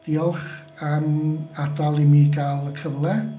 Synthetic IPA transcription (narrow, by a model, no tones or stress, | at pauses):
d̥iːɔlˠχ | amadɔlˠimiɡalˠəkʰəvlˠɛ